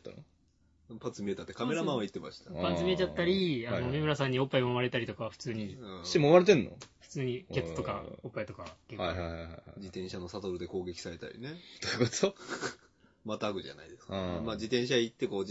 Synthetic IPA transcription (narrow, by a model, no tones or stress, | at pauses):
t̪ːa̰n | pat͡sɨmʲie̞t̪at̪ːe̞kameɾamãait̪ːema̰ɕi̥t̪apat͡sɨmʲiet͡ɕat̪ːaɾʲianomʲemɯ̟ɾasãɲ̟ːio̞pːaimaɾe̞t̪aɾit̪o̞kaβaɸɯ̟̥t͡sɨːɲ̟iɯ̥̃timːβaɾet̪̬ẽ̞nːo̞̰ɸɯ̟̥t͡sɨːɲ̟ie̞t͡sɨ̥t̪okaopːait̪o̞kaβakekaːhajhajhajha̰d͡ʑit̪ẽ̞ɕanosat̪o̞ɾɯ̟d̪e̞ko̞ːɡe̞kʲi̥saɾe̞t̪a̰ɾʲḭne̞t̪ojɯkot̪o | mat̪aːɡɯ̟ʑa̰na̰id̪e̞skamaːd͡ʑit̪ẽɰ̃ɕ̬ait̪ːeko̞ː